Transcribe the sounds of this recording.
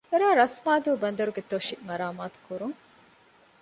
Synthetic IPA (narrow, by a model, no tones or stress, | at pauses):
eɾaːɾɐsmaːd̪uːbɐnd̪ɐɾuɡet̪oʃimɐɾaːmaːt̪u̥kuɾuŋ